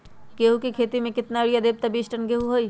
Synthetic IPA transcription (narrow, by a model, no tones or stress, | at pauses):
ɡeɦukikʰeːt̪imẽkɪt̪naɽijad̪eːb̚t̪abiːsʈənɡeɦuɦoːiː